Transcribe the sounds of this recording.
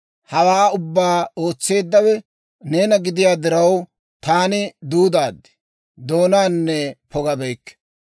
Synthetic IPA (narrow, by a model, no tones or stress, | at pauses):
hɐwaːʊbːaːo̞ːt͡sːe̞ːd̪ːɐwɛ | ne̞ːnɐɡɪd̪ɪjaːd̪ɪɾɐw | t̪aːnɪd̪uːd̪aːd̪ːɪ̥ | d̪o̞ːnaːnːɛpʰɔɡɐbɛjkːɛ̥